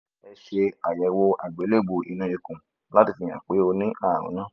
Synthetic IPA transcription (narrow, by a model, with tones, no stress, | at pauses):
ɛ˧ʃe˧a˨jɛ˨˦wo˧a˨ɡ͡be˨˦le˦˨ɡ͡bo˧˨ḭ˧nũ˧i˧kũ˨ | la˦ti˧˨fĩ˧j̃ã̰˨k͡pe˨˦o˧nĩ˦a˦˨ɾṵ̃˨˦nã˦˨